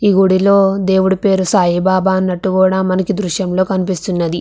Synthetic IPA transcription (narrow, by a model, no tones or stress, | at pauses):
iːɡuɽilo̞ːd̪e̞ːwuɽipe̞ːɾusaːjibaːbaːɐnːɐʈːukuːɽaːmɐnɐkid̪ɾuʃjɐmlo̞ːkɐnipist̪unːɐd̪i